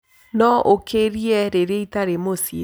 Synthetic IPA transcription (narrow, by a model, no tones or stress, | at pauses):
nɔʔokʰeɾiɛɾeɾeitaɾemosje